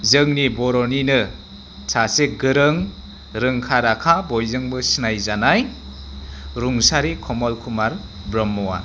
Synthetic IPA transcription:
zɯŋnibɔɾɔninɯ | sʰaseɡɯɾɯŋ | ɾɯŋkʰaɾakʰabɔjzɯŋbɯsinajzanaj | ɾuŋsaɾikʰɔmɔlkʰumaɾ | bɾɔmːɔwa̰

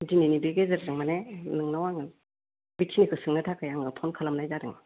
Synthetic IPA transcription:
zininibeɡezɯɾdɯŋmanenɯŋnawaŋɯ | bitʰinikʰɯsɯŋnɯtʰakʰajaŋɯpʰɔnkʰalamnajzadɯŋ

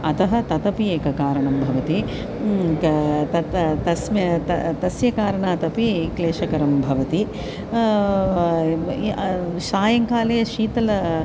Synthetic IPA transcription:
ɐt̪ɐɦɐ̆t̪ɐt̪ɐpieːkɐkaːɾɐɳɐmbʱɐʋɐt̪i | t̪ɐt̪ɐsmɐt̪ɐt̪ɐsjɐkaːɾɐɳaːt̪ɐpikleːʃɐkɐɾɐmbʱɐʋɐt̪i | ʃaːjɐŋkaːlɐjɐʃiːt̪ɐlɐ

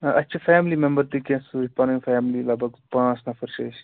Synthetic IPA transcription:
ʔɐtːʃʰɐfaːmlimembəɾt̪ikẽsuɾipanŋfaːmlilɐbʱɐɡpãːsnɐfɐɾʃɐːs

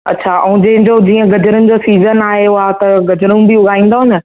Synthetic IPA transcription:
ɐ̰tːɕʰaɛ̃d͡ʑɐ̃ɦɪ̃ɲd͡ʑod͡ʑiːə̃ɡɐd͡ʑəɾʊnɪ̆d͡ʑoːsiːzənaːɦeʊɦat̪ɐɡɐd͡ʑəɾʊnbiʊɡʱaːĩːn̆d̪oɦʊnə

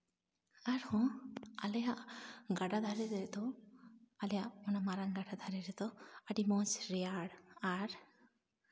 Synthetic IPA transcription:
aɾhɔ̃alɛjaʔɡaɖad̪ʱaɾɛɾɛd̪ɔ | alɛjaʔɔnamaɾaŋɡaɖad̪ʱaɾɛɾɛd̪ɔaɖimɔsɾɛjaɽaɾ

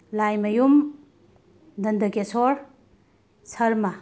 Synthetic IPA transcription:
lajmɐjum | dɐnd̪ɐkesoɾ | sʰɐɾmɐ

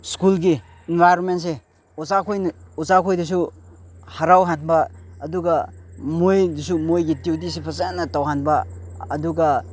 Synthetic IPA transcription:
skulɡi | inbʱajɾonments̬e | usakʰojnusakʰojdis̬u | haɾawɦanbɐːduɡɐmojdisumojɡitwtis̬ipʰɐsennɐtawɦanbɐɐduɡɐ

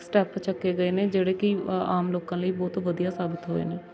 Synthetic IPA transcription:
sʈɛːpt͡ʃəkːeːɡəeːnẽːd͡ʒeːɽeːkɪa̰ːmloːkãːləiːbɔːt̪ʋəd̪ijaːsaːbɪt̪ɦoːḛːneː

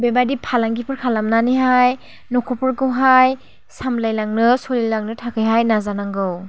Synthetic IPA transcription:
bebajdipʰalaŋɡipʰɯɾkʰalamnaniɦaj | nɔkʰɔpʰɯɾɡɯwɦaj | samlajlaŋnɯsɔlilaŋnɯtʰakʰɯjɦajnazanaŋɡɯw

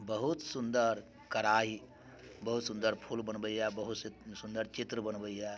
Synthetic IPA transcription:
bəɦut̪sund̪əɾ | kɐɾaːɦi | bɐɦut̪sund̪əɾpʰulbənbəjjabɐɦut̪ssund̪əɾt͡ʃit̪ɾəbənbəjja

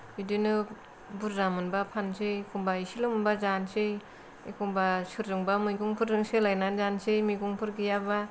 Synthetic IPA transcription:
bidinɯ | buɾːamɯnbapʰansɯjkʰuŋbaisilɯmɯnbazansej | ikʰuŋbasɯɾːɯŋbamɯjɡuŋpʰɯɾɾɯŋselajnanzansejmiɡuŋpʰɯɾɡijaba

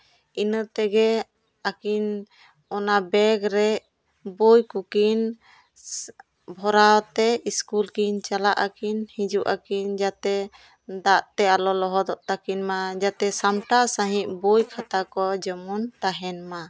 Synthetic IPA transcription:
inət̪ɛɡɛ | akin | ɔnabɛɡɾɛ | bujkukin | bʱɔɾawt̪ɛiskulkint͡ʃalaʔakinhĩd͡ʒuʔakind͡ʒat̪ɛ | d̪aʔt̪ɛalɔlɔɦɔd̪ɔʔt̪akinmad͡ʒat̪ɛsamʈasaɦiʔbujkʰat̪akɔd͡ʒɔmunt̪aɦɛnma

